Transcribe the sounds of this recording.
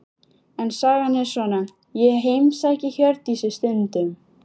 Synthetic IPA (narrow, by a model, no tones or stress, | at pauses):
ɛnsaɣanːɪ̥svɔːna | jɛɦejmsaɛcɪçœɾt̪isɪst̪ʏnt̪ʏm